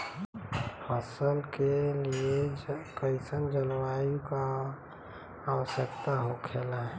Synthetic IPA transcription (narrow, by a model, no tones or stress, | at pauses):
həsəlkeliekəɪsənd͡ʒəlwajuka | wəsjəkt̪aɦokʰelaɦ